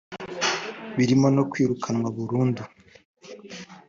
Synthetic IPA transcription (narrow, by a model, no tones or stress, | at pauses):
βiɾimo̞no̞kwiːɾukʰanwaβuɾuːndu